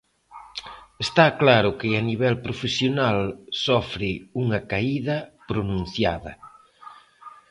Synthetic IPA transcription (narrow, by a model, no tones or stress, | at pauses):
est̪aklaɾʊkɪaniβɛlpɾofesjonalsɔfɾɪuŋɐkaiðɐpɾonũnθja̰ðɐ̰